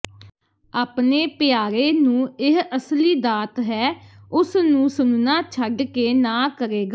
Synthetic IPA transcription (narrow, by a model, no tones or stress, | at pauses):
aːpneːpɪjaːɾeːnũːɪɦəsliːd̪aːt̪ɦɛːʊsnũːsʊnnãːt͡ʃʰəɖkeːnãːkəɾeːɡaː